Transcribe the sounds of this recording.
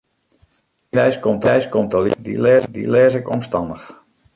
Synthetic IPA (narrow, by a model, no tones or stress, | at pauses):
ɾɛjskɔmtɛjskɔmtəlḭdḭlɛːdḭlɛːzɪkɔ̰mstɑndəx